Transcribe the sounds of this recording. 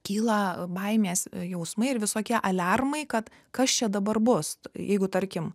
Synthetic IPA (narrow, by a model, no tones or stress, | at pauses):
kʲiːlˠɐbɐɪmʲeːsjɛʊsmɐɪɪɾʋʲɪsoːkʲiɛʔɐlʲɐrmɐɪkɐt̪ | kɐst͡ʃʲɛd̪ɐbɐrbʊsjʔɛɪɡʊt̪ɐɾʲkʲɪm